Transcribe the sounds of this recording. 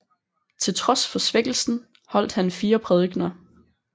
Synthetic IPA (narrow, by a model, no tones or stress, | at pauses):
t͡sʰe̝lt͡sʰʁɒ̽sfɒ̽sʋeɡ̥l̩sn̩ | hɒ̽l̰d̥hænfiːɐpʰʁɛðˠɡ̥nɐ